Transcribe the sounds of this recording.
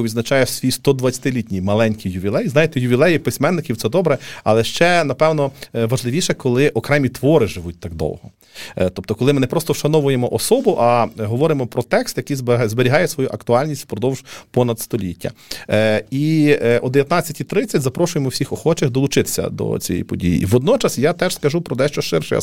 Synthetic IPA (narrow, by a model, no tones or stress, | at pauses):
ʋʲid̪znɐt͡ʃɑjɛsʲʋʲijst̪ɔd̪ʋɐt͡sʲːɐ̥t̪ɪlʲitʲnʲijmɐlˠɛnʲkʲijʊʋʲilˠɛjiznɑjet̪ɛjʊʋʲilˠɛjipɪsʲmɛnːɪkʲiwt̪sɛd̪ɔbɾɛɐlˠɛʃt͡ʃɛnɐpɛwnɔʋɐʒlˠɪʋʲiʃɛkɔlˠɪʔɔkɾɛmʲit̪ʋɔɾɪʒɪʋut̚ʲt̪ɑɡ̚d̪ɔ̰wɦɔ | t̪ɔp̚t̪ɔkɔlˠɪmɪnɛpɾɔst̪ɔwʃɐnɔʋʊjemɔʔɔsɔbʊʔɑɦɔʋɔɾɪmɔpɾɔt̪ɛkst̪jɐkijzbzbeɾʲiɦɑjɛsʋɔjuʔɐkt̪ʊɑlʲnʲisʲtʲpɾɔd̪ɔwʒ̥pɔnɐd̪st̪ɔlʲitʲːɐ̰ | iɔd̪eʋʲjɐt̪nɑt͡sʲːɐtʲit̪ɾɪt͡sʲːɐtʲzɐpɾɔʃʊjemɔwsʲixɔxɔt͡ʃɪxd̪ɔlˠʊt͡ʃɪt̪ɪ̥sʲɐ̰d̪ɔ̰t͡sʲijɛ̰jpɔdʲḭjḭʋɔd̪nɔt͡ʃɐsjat̪ɛʒ̥skɐʒupɾɔt̪ɛʃt͡ʃɔʃɪrʃɛ̰j̰